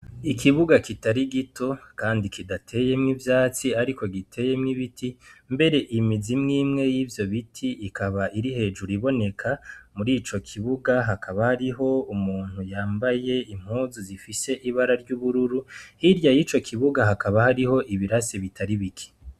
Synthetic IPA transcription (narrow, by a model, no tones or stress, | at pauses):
ikʰiβuɡakitaɾiɡitʰo̞kaːndikidatʰe̞ːje̞mŋivjaːt͡siaɾiko̞ɡitʰe̞je̞mŋiβitʰimbe̞ɾe̞ʔimizimŋiːmŋe̞jiːvjo̞βitʰiʔːkʰaβaʔiɾihe̞ːd͡ʒuɾiβo̞ne̞kʰamuɾiːt͡ʃo̞kʰiβuɡaɦakʰaβahaɾiɦo̞umuːn̥hujaːmbaje̞im̥huːzuzifise̞ʔiβaɾaɾɟuːβuɾuɾuhiɾjajiːt͡ʃo̞kʰiβuɡaɦakaβahaɾiho̞ʔiβiɾasiβitʰaɾiβikʰi̥